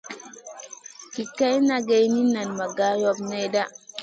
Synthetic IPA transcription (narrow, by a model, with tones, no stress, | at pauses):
ki˨kːa˦jna˦ɡe˦jni˦na˨nma˨ɡa˦jo˦bne˦da˦